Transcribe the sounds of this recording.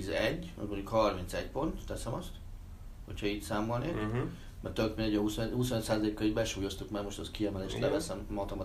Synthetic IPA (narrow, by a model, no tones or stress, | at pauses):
zɛɟːɒ̰zmo̞ɲɟukhɒrmint̪sɛɟpo̞nt̪ːɛsɛmɒst̪ | ho̞̰cʰhɒiːt̪saːmolneːk | mɛrt̪økmind̪ɛɟːɒɦushusonøc̪saːzɒleːkːɒibɛʃuːjo̞st̪ukmɛmo̞ʃt̪ɛskiɛmɛleːʃt̪lɛvɛsɛmmɒt̪ɔmɒ